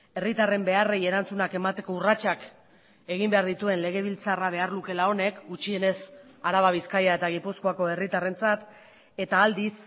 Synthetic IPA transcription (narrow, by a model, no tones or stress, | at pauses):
e̞rit̪are̞mbe̞areje̞ɾant͡sunake̞mat̪e̞ko̞urat͡ʃak | e̞ɣ̞imbe̞aɾðit̪ue̞nle̞ɣ̞e̞β̞ilt͡saraβ̞e̞aɾluke̞lao̞ne̞kɡut͡ʃie̞ne̞saɾaβaβ̞iskajae̞t̪aɣ̞ipuskoako̞e̞rit̪are̞nt͡sat̪ | e̞t̪aːld̪is